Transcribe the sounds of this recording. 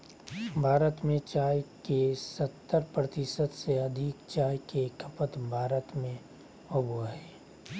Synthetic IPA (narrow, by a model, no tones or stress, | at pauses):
bʱaːɾət̪mẽt͡ʃaːjkesɐt̪ːəɾpɾət̪ɪsəd̪seɐd̪ʱɪkt͡ʃaːjkekəpət̪bʱaːɾət̪mẽ | ɐbuəɦɛː